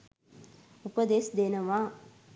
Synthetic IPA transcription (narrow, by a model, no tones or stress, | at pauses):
upəd̪eːsd̪eːnəʋaː